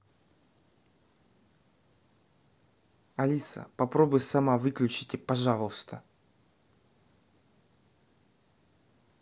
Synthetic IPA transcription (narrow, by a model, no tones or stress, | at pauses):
ɐlʲisə̰pɐpɾobʊjsɐmavɨklʲʉt͡ɕɪtʲɪpɐʐalˠəst̪ə